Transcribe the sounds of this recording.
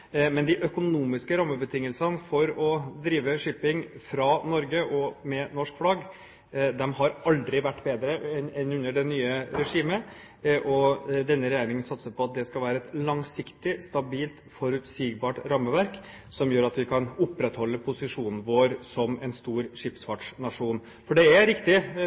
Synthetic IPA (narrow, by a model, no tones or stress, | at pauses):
mɛnd̪ɪʔœkʊnuːmɪskəɾɑmːəbət̪ʰɪŋːəlsənfɔɾɔd̪ɾiːʋəʂɪpɪŋfɾɑnɔɾɡəʔɔmɛnɔʂkflɑɡ | d̪ɛmɦɑɾɑld̪ɾɪʋæʈːbeːd̪ɾəɛnɛnʉnːəɖɛnyːəɾɛʂiːmə | ʔɔd̪ɛnːəɾɛjæːɾɪŋənsɑt̪səpʰɔɑt̪̚d̪ɛskɑlʋæːɾəɛt̪lɑŋsɪkt̪ɪst̪ɑbiːlt̪fɔɾʉt̪siːɡbɑːʈɾɑmːəʋæɾk | sɔmjøːɾɑt̪ʋɪkʰɑnʊpːɾɛt̪hɔlːəpʰʊsɪʂuːnn̩ʋoːɾsɔmɛnst̪uːɾʂɪpsfɑʈʂnɑʂuːn | fɔɖɛæɾɪkt̪ɪ